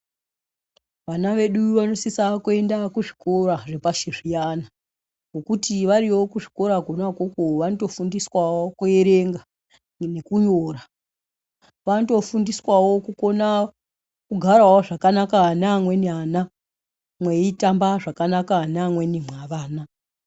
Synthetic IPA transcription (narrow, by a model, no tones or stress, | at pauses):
ʋanaʋe̞ɗuʋano̞sisakue̞ndakuʐikʰo̞ɾaʐe̞paʃiʐijana | ŋɡokutiʋaɾiwo̞kuʐiko̞ɾaɡʱonakokoʋanoto̞fundiswawokue̞ɾe̞ŋɡa | nekuɲoːra | ʋato̞fundiswawo̞kukona | kuɡʱarawoʐakanakanamwe̞niana | mweitambaʐakanakanamwe̞nimwaʋaːna